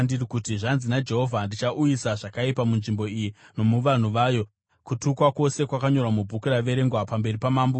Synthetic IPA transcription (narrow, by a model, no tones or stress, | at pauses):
ndirikutiʐanzinad͡ʒe̞ɦo̞vʱandit͡ʃaʔujisaʐakaipamunʐimbo̞ijino̞muʋan̤uʋaːjo̞ | kutukwako̞se̞kwakaɲo̞rwamubʱukuraʋe̞ɾe̞ŋɡwapambe̞ripamaːmbu